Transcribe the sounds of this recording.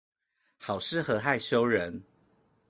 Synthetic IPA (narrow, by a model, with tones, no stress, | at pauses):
xɑ˨˩ʊʂɻ̩˥˨xɤ˨˧˦xa˥˨ɪɕjo˦˥ʊɻə˨˦n